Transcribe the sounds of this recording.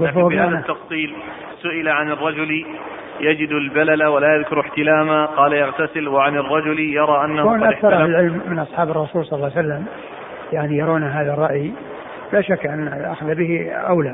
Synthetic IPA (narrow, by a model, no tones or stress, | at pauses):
ʊfahanat̪ːɑfsˤiːl | sʊʔɪlaʕanɪrˤːɑd͡ʒʊl | jad͡ʒɪd̪albalalawalaːjaðkʊɾɪħt̪ɪlaːmaqɑːlajaɣt̪asɪlwaʕanɪrˤːɑd͡ʒʊljɑɾˤɑːʔanːkoːnʔakθɑɾˤʔalɪlʕɪlmːɪnʔɑsˤħɑːbɑrˤːɑsuːlsˤɑllːwsalːam | jaʕnijɑɾˤoːnaɦaːðarˤːɑʔj | bɪlaːʃakːʔanːaʔaxaðabɪhiʔawla